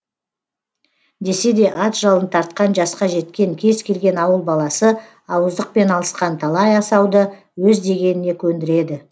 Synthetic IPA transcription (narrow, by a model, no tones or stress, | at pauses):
d̪e̞se̞d̪e̞ʔɑt̪ʒ̥ɑlˠənt̪ʰɑɾt̪̚qɑnʒɑsqɑʒe̞t̪kʲe̞ŋkʲʰe̞zkʲʰe̞lɡʲe̞nɑwəlˠbɑlˠɑsə | ɑwəzd̪əq̚pe̞nɑlˠəsqɑnt̪ʰɑlˠɑjɑsɑwd̪ə | wɵzd̪e̞ɡʲe̞nɪne̞kʲʰɵnd̪ɪɾe̞d̪ɪ